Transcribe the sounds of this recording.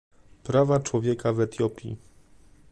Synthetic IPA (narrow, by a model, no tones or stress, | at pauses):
pɾavat͡ʂwɔvʲjɛkavɛt̪jɔpʲḭ